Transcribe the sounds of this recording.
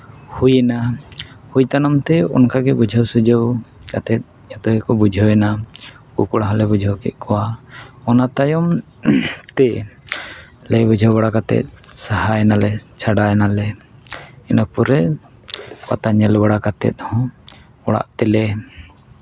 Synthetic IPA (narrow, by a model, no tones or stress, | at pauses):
hujɛna | hujt̪anamt̪ɛɔ̰nkaɡɛbud͡ʒʱəwsud͡ʒəwkat̪ɛt̪̚ | at̪ɔɛkɔbud͡ʒʱəwɛna | ṵkɔɽaɦalɛbud͡ʒʱəwkɛ̰ʔ̪̚ˀkʰɔwaɔnat̪ajɔm | t̪ɛ | lɛjbud͡ʒʱəwbaɽakat̪ɛ̰t̪̚saɦajnalɛt͡ʃʰaɽajnalɛ | ɛnɔpuɾɛ | pat̪aɲɛlbaɽakat̪ɛ̰t̪̚ˀhɔ̃ | ɔɽa̰ʔt̪ɛlɛ